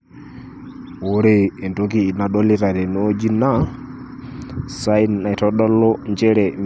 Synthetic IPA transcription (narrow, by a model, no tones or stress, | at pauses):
woɾɛːntokiːnaɗolitaɾɛnod͡ʒina | sajnajtɔɗɔlːɔnd͡ʒɛɾɛn